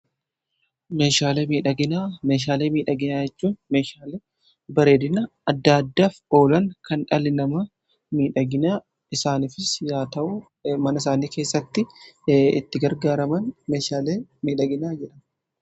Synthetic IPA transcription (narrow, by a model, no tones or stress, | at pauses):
me̞ːʃaːleːmiːᶑɐɡɪnaːme̞ːʃ̬aːleːmiːᶑɐɡɪnaːd͡ʒɛt͡ʃːuːnme̞ːʃaːleː | bɐɾe̞ːd̪ɪnɐ | ɐd̪ːaːɐd̪ːaːfo̞ːlɐŋkɐnᶑɐlɪnɐmɐ | miːᶑɐɡɪnaː | ɪsaːnifɪsjaːt̪ɐʔʊ | mɐnɐɪs̬aːniːke̞ːsːɐt̪ːɪ | ɪ̰t̪ːɪɡɐɾɡaːɾɐmɐnme̞ːʃaːleːmiːᶑɐɡɪnaːd͡ʒɛᶑɐn